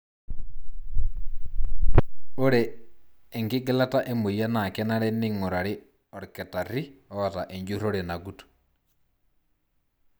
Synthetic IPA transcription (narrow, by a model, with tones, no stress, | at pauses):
o˦ɾeː˨ | ŋkɪ˦ɡɛ˦la˦ta˦ʔe˦mo˨ja˦na˨kɛ˦na˦ɾɛ˦nɪ˦ŋo˨ɾa˨ɾe˦ | ɔ˨ɾkɛ˨ta˨ɾi˦ɔ˨ɔ˨ta˨ʔe˨ɲd͡ʒo˦ɾo˦ɾe˨na˨ɡu˦tu̥˨